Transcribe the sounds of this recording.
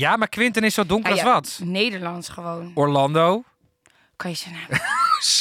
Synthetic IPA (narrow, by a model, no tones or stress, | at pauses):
jamaɹkʋɪntənɪsːowdʊŋkərɔsʋɔtnejdəɹlɑnsχəʋownɔɹlɑndow | kɔjəsəna